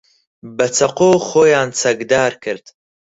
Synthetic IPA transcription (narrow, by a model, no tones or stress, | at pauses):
bɐt͡sʰɐqoːxoːjaːnt͡sʰɐɡd̪aːɾkʰɨɾd̪̥